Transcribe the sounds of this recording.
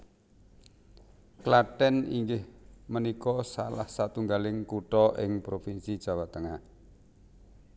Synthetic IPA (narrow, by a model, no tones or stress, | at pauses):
klaʈɛnḭŋɡɪhmənikɔsa̰la̰hsat̪uŋɡalɪŋkuʈɔʔɪŋpɾofinsid̥ʒ̥a̤wat̪əŋah